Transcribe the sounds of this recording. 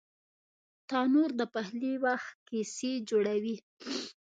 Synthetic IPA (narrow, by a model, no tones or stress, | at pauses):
t̪ɑnuɾd̪əpahliwaxt̪̚kesed͡ʒoɽawi